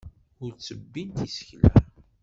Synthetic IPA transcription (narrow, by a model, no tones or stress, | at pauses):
ʊɾt͡sːəbːint̪isçlæ